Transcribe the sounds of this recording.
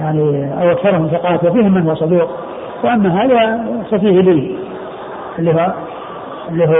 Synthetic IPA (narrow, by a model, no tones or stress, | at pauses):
jaʕniʔa̰wʔakθɑɾˤhʊmθɪqɑːt̪wafiːhɪmːɪnhʊwasˤɑd̪uːq̚ | wɪʔamːaɦaːðasafiːhɪliːn | ʔɪlːiːɦ | ɪlːiːɦu